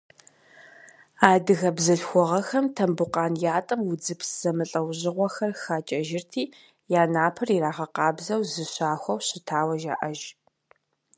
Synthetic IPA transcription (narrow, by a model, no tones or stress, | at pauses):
aːdɨɣɐbzɐɬxʷɔʁɐxɐmtʰɐmbʊqɑːnjaːtʼɨmwʊd͡zɨpsz̥ɐmɨɬʼɐwʑɪʁʷɔxɐrxaːt͡ʃʼɐʒɪrtʰiː | jaːnaːpʰɨriraːʁɐqɑːbzɐwzɨɕaːxʷɔwɕɪtʰaːwɐʒa̰ːʔɐʒ